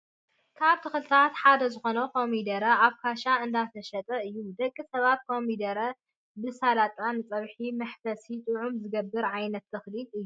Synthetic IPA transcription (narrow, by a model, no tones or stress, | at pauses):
kʰaβt̪ʰɨxɨlɨt̪ʰat̪ħad̪ɐzɨxo̞nɐkʰo̞mid̪ɐɾɐaβkʰaʃaɨnd̪at̪ʰɐʃɐt̪ʼɐɨjːumd̪ɐkʼːisɐβat̪̚kʰomid̪ɐɾɐ | bɨsalat̪ʼanɨt͡sʼɐβħimɐħfɐsit̪ʼɨʕumzɨɡɐbːɨɾʕajnɐt̪ːɐxlit̪ʼɨjːu